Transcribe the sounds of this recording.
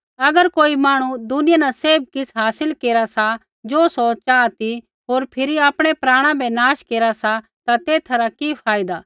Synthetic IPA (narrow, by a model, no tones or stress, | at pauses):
ɐɡəɾkoːimaːɽ̃ud̪ʊnɪjanãseːb̚kɪsɦaːsɪlkeːɾasa | d͡ʒoːsoːt͡ʃaːt̪i | ɦoːɾpʰɪɾiaːpɽ̃epɾaːɽ̃ãbʱɛnaːʃkeːɾasat̪at̪eːt̪ʰɐɾakipʰaːɪd̪aː